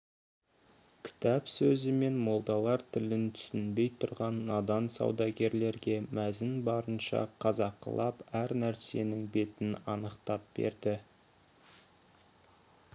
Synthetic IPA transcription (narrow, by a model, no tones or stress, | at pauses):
kʲʰɪ̥t̪æpsɵzɪme̞nmo̞lˠd̪ɑlˠɑɾt̪ʰɪlɪnt̪ʰʏ̥sɪnbe̞jt̪ʰʊɾʁɑnːɑd̪ɑnsɑ̰wd̪ɑɡʲe̞ɾle̞ɾɡʲe̞mæzɪnbɑɾənʃɑ̰qʰɑzɑqːə̰lˠɑpæɾnæɾse̞nɪŋbe̞t̪ɪnɑnəqt̪ɑp̚b̥e̞̰ɾd̪ɪ